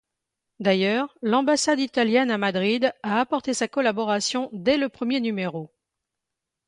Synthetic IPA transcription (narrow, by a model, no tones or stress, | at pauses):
d̪ajœːʁlɑ̃basad̪it̪aljɛnamad̪ʁid̪aːpɔʁt̪esakɔlabɔʁasjɔ̃d̪ɛləpχəmjenymeʁo